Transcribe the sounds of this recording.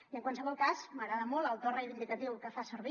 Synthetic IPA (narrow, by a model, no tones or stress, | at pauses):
iəŋkwansəβɔlˠkazməɣɾaðəmɔlˠəwˠt̪orejβind̪ikət̪iwkəfasəɾβi